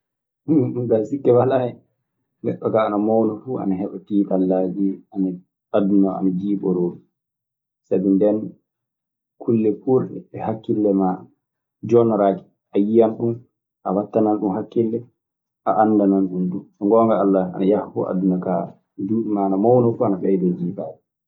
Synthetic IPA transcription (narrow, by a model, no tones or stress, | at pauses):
ɡasikːɛwalaɛ | lɛɗːɔkaːnamawnɔfua̰naɦɛɓatiːtalːad͡ʒiana | adunɔa̰nad͡ʒiːɓɔɾoːɾi | sabindɛn | kʰulːɛpuɾɗɛɛhakːilːɛma | d͡ʒɔnɔɾaːki̥ | ʔajijanɗum | ʔawatːananɗumhakːilːɛ | ʔaʔanːdananɗumdusɔŋɡɔːŋɡaalːaa̰najahfṵa̰dunɔka̰ | d͡ʒuːɗimaːnamɔwnɔfuanafɛjdɛd͡ʒiːbaːd͡ʒɛ